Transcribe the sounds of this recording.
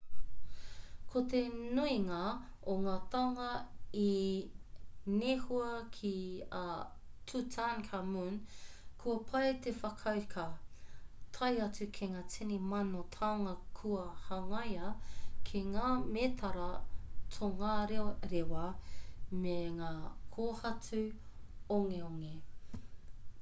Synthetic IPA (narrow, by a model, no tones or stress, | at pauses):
kʰot̪enuiŋɐ | oŋaːt̪ɐŋɐi | nehuɐkʰia | tʰutʰankʰamun | kʰuɐpʰɐjt̪efɐkʰɐwkʰa | tʰɐjɐt͡sukʰeŋaːt͡sʰenimɐnotʰaːŋɐkʰuɐhɐŋɐjɐkʰeŋaːmet̪ʰɐɾɐtʰoŋaɾeɾewɐ | meŋaːkʰoːhɐt͡su | oŋeoŋe